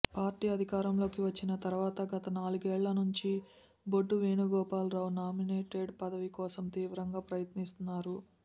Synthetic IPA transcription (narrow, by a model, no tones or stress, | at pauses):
paːɾʈiːɐd̪ʱikaːɾɐmlo̞ːkiʋɐt͡ʃːinɐt̪ɐɾuʋaːt̪ɐɡɐt̪ɐnaːluɡɛːɭːɐnuɲt͡ʃi | bo̞ɖːuʋeːnuɡɔːpaːlɾɐwnaːmineːʈeɖpɐd̪ɐʋikɔːsɐmt̪iːʋɾɐŋɡaːpɾɐjɐt̪nist̪unːaːɾu